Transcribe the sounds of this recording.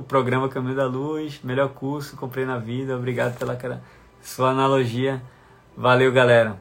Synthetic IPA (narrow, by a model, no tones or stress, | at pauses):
ʊpɾoɡɾɐ̃mɐkɐ̃mĩɲʊd̪ɐlujsmeʎɔɾkuɾsʊ̥kõpɾejnɐvid̪ɐobɾiɡad̪ʊpelɐkɾɐ | suɐɐnaloʒiɐ | valewɡalɛɾɐ